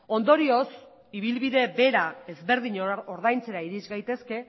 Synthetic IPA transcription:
o̞nd̪o̞ɾio̞s | iβ̞ilβiðe̞be̞ɾae̞zβe̞ɾðiɲooɾðajnt͡se̞ɾaiɾizɡajt̪e̞ske̞

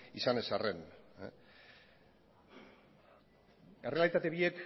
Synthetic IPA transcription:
isane̞sare̞n | ere̞alit̪at̪e̞βiek

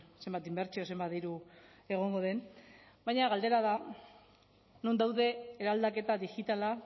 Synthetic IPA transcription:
se̞mbat̪imbe̞ɾt͡sio̞se̞mbat̪ðiɾu | e̞ɣ̞o̞ŋɡo̞ð̞e̞n | bajɲaɣald̪e̞ɾaða | nond̪awðe̞ːɾald̪ake̞t̪aðiɣit̪ala

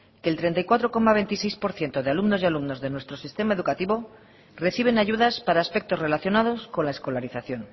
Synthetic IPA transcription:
keːlt̪ɾe̞nt̪ajkwat̪ɾo̞ko̞maβ̞e̞nt̪isejspo̞ɾθje̞nt̪o̞ðealumno̞zialumno̞zðe̞nwe̞st̪ɾo̞sist̪e̞mae̞ðukat̪iβo̞ | re̞θiβ̞e̞naʝuðaspaɾaːspe̞k̚t̪o̞zre̞laθjo̞nað̞o̞sko̞nlae̞sko̞laɾiθaθjo̞n

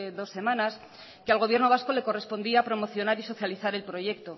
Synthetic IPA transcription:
ðo̞sːe̞mãnas | kealɣ̞o̞β̞je̞ɾnoβasko̞le̞ko̞re̞spo̞nd̪iapɾo̞mo̞θjo̞naɾiso̞θjaliθaɾe̞lpɾo̞ʝe̞k̚t̪o̞

